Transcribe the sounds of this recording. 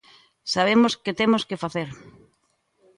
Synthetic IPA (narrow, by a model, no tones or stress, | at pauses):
saβ̞emosket̪emoskefaθeɾ